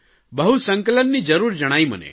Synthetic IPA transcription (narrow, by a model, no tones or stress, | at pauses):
bəɦusə̃ŋkələnːid͡ʒəɾuːɾd͡ʒəɽ̃aːimə̰nḛ